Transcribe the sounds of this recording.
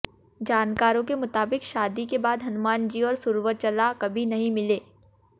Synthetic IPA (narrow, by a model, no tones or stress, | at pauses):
d͡ʒaːnkaːɾõkemʊt̪aːbɪkʃaːd̪ikebaːd̪ɦɐnʊmaːnd͡ʒiɔːɾsʊɾʋət͡ʃɐlakɐbʱinɐɦĩmɪleː